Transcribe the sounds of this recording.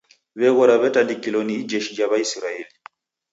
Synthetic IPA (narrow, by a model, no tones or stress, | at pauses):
βɛɣɔɾaβɛtandikilɔniid͡ʒɛʃid͡ʒaβaisiɾaɛli